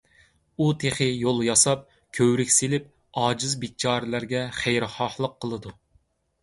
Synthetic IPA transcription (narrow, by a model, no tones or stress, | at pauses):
ut̪ʰeχɪjolˠjɑsɑp̚ | kʲʰøwɾɪkʲselɪp̚ | ɑːd͡ʒɪzbɪt͡ʃʰɑːɾɪlæɾɡʲɛχæjɾχɑχlˠəqʰːəlˠɨd̪u